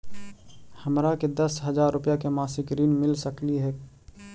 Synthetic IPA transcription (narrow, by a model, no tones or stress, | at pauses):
hɐmɾaked̪ɐsɦɐzaːɾːʊpjakemaːsɪkɾiːnmɪlsəkliɦɛː